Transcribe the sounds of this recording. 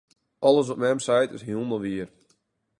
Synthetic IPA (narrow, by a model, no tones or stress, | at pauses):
ʔɔlˠəs̬ɔpmɛmsajtɪsɦjulˠməʋiər